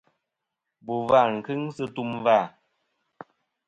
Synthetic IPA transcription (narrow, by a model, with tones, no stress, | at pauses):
bu˨va˦˨ŋ̩˨kɨ˦ŋsɨ˦tu˦mva˦˨